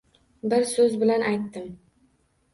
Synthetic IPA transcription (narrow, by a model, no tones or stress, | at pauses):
bɪɾsɵzbɪlanʔajt̪ːɪm